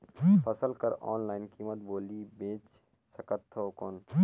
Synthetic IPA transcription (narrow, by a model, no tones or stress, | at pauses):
pʰɐsəlkəɾɔːnlaːɪnkiːmət̪boːlibẽːt͡ʃ | sɐkət̪ʰːoːkɔn